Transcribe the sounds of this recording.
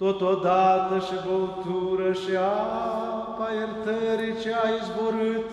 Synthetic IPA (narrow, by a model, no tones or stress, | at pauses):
t̪ot̪od̪aɾd̪əʃibolt̪uɾəʃia | pajəɾt̪əɾit͡ʃeaizboɾɨt̪